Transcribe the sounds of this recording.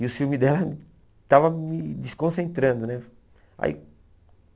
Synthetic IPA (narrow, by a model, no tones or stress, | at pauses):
iʊfiwmɪd̪ɛlɐ | t̪avɐmɪd͡ʒɪskõsẽnt̪ɾɐ̃nd̪ʊnɛ | a̰ḭ